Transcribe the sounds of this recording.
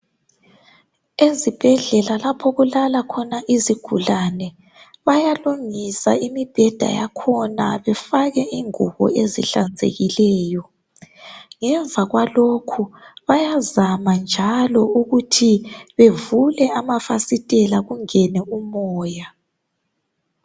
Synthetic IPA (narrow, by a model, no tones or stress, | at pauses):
ezib̥ʱɛɮɛlalapʰɔɣulalakʰɔnaʔiziɡ̥ʱulanɛ | βajaluŋisa̰imib̥ʱɛd̥ʱa̰ja̰kʰɔna̰βɛfaɣɛʔiŋuɣɔ̰ezḭɬand͡zʱḛɣilɛːjɔ | ŋɛɱvʱaɣwalokʰuβajazamand͡ʒʱalɔuɣutʰiβevulɛamafasitʼɛlaɣuŋɛnɛumɔːja